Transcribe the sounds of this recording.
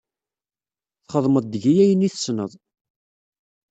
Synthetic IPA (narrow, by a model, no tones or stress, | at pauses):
θχəðˤməd̪̚ˤd̪əʝijæjəniθə̥snəðˤ